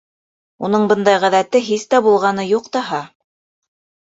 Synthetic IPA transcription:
unɤɴbɤnd̪ɑjʁæðæt̪ɘɦist̪æbulˠʁɑnɤjuqt̪ɑɦɑ

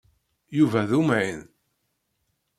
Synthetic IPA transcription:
juvæðumʕin

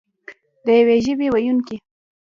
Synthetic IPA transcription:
d̪əjaweʒəbewajunke

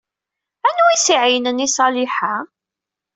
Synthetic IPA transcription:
ænuisiʕijnənisˤɑliħa

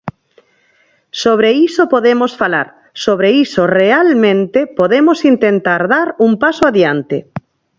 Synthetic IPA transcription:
soβ̞ɾeisopoðemosfala̰ɾ | soβɾeisorealmẽnt̪epoðemosint̪ent̪aɾðaɾuŋpasoaðjant̪ḛ

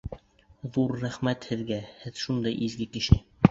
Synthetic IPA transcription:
ðuɾːæχmæt̪hɘ̆ðɡæhɘðʃund̪ɑjʔizɡɘkɘ̆ʃɘ

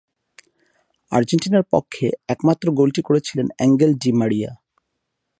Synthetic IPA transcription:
a̰ɾd͡ʑenʈinaɾpɔ̰kʰːeɛkmat̪ːɾoɡolʈikoɾet͡ɕʰilenɛŋɡelɖimaɽija

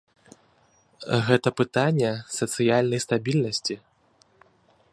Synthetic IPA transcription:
ɣɛt̪ɐpɨt̪anʲːɛsɐt̪sɨjalʲnɐjst̪abʲilʲnɐsʲt͡sʲi

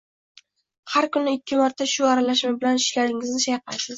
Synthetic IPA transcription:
haɾkʊnɪɪkʲʰːɪmaɾt̪ʰaʃʊaɾalaʃmɪbɪlanɪʃlʲaɾɪŋɪznɪʃajqʰajsɪz̥

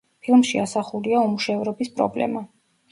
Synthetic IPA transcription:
pʰilˠmʃiasaχuliaumuʃɛvɾɔbispʼɾɔ̰blɛ̰ma

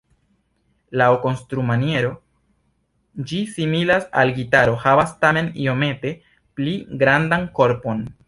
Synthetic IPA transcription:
laoko̞nstɾumanje̞ɾo̞ | d͡ʒisimilasa̰lɡitaɾo̞havastame̞nḭo̞me̞te̞ | pliɡɾandanko̞ɾpo̞n

